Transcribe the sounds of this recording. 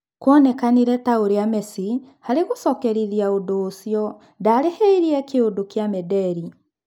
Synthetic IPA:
kwɔnɛkaniɾɛtaoɾeamɛsi | haɾeɣosɔkɛɾiðiaodoːsjɔ | daɾeheiɾiɛkeodokjamɛdɛɾi

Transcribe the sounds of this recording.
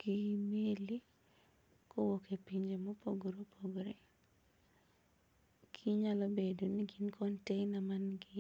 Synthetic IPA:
ɡ̥imeli | kowokepiɲd͡ʒemɔpoɡɾopʰoɡɾe | kʰiɲalɔbedoniɡinkʰɔntɛɪnamanɡi

